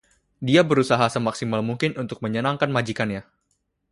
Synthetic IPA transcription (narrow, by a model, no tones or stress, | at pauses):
diabəɾusaɦasəmaksimalmuŋkɪnunt̪ʊk̚məɲənaŋkanmad͡ʒikanja